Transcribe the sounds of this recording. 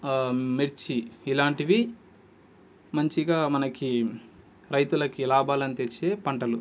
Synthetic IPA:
meɾt͡ʃiːlaːɳʈiʋi | mɐɲt͡ʃiɡaːmɐnɐki | ɾɐjt̪ulɐkilaːbaːlɐnit̪et͡ʃːeːpɐɳʈɐlu

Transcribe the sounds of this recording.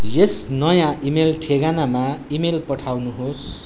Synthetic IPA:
jesnʌjãʔimelʈʰeɡanamaimelpʌʈʰawnuɦos

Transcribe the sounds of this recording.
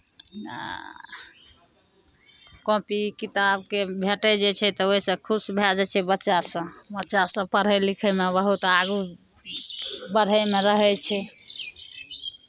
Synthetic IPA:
kõpikit̪abkebʱeʈɛd͡ʒet͡ʃʰɛt̪ɔoisə̃kʰusbʱed͡ʒɛt͡ʃʰɛbətːʃasə̃bətːʃasə̃pəɾ̤ɛlikʰɛmebəɦut̪aɡu | bəɽ̤ɛmeɾəɦɛt͡ʃʰɛ

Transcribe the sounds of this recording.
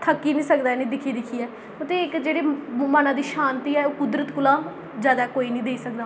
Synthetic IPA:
t̪ʰəkːiːnĩːsəkd̪aːnĩːd̪ɪkʰiːd̪ɪkʰiːɛː | ot̪eɪkd͡ʒeːɽeːmənãːd̪iːʃaːnt̪iːɛːoːkʊd̪ɾət̪kʊlãː | zjaːd̪aːkoːiːnĩːd̪eːsəkd̪aː

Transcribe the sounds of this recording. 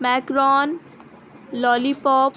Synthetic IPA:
mɛkɾɔːn | lɔːlipɔːp

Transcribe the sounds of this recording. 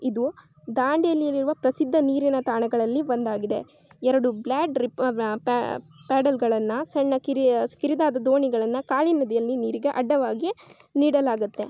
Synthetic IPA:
id̪u | d̪aːɳɖijɐlːijɐlːiɾuʋɐpɾɐsid̪ʱːɐniːɾinɐt̪aːɳɐɡɐɭɐlːibond̪aːɡid̪e̞̰ | ɛɾɐɽublaːɖɾipːpaːɽɐlɡɐɭɐnːɐsɐɳːɐkiɾikiɾid̪aːd̪ɐd̪o̞ːɳiɡɐɭɐnːɐkaːɭinːɐd̪ijɐlːiniːɾiɡe̞ʔɐɖːɐʋaːɡi | niːɽɐlaːɡut̪ːe̞̰

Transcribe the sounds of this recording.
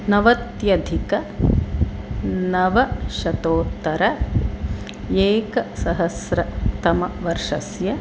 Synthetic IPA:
nɐʋɐt̪jɐd̪ʱikɐ | nɐʋɐʃɐt̪oːt̪ːɐɾɐ | eːkɐsɐɦɐsɾɐt̪ɐmɐʋɐɾʂɐsjɐ

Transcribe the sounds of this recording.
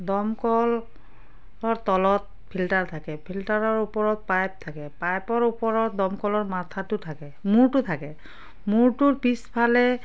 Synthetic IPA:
dɔmkɔl | ɔɹtɔlɔt̚ | pʰiltaɹtʰakɛpʰiltaɹɔɹupɔɹɔt̚pajp̚tʰakɛpajpɔɹupɔɹɔt̚dɔmkɔlɔɹmatʰatʊtʰakɛmuɹtʊtʰakɛ | muɹtʊɹpispʰalɛ

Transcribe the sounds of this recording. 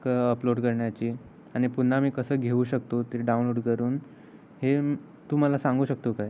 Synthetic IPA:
kəploɽkəɾɳjat͡ɕiː | aɽ̃ipuɳ̤ːamiːkəsəːɡʱeuɕək̚t̪ot̪eɾiɖaũnloɽkəɾuːn | he | t̪um̤alasãŋɡuːɕək̚t̪okaj

